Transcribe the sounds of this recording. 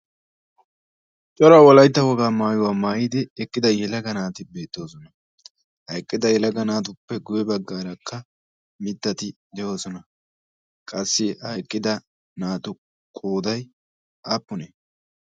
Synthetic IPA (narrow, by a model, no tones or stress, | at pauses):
t͡ʃʼɔɾɐwɔlɐjt̪ːɐwɔɡaːmaːjʊwaːmaːjid̪ɪɛkːɪd̪ɐjɛlɐɡɐnaːt̪ɪbe̞ːt̪ːo̞ːsɔnɐ | hɐjkʼːɪd̪ɐjɛlɐɡɐnaːt̪̬ʊpːɛɡʊjɛbɐɡːaːɾɐkʰːɐ | mɪt̪ːɐt̪ɪd̪ɛjo̞ːsɔnɐ | kʼɐsːɪhɐjkʼːɪd̪ɐ | naːt̪ʊ | kʼoːd̪ɐj | ʔapːʊnɛ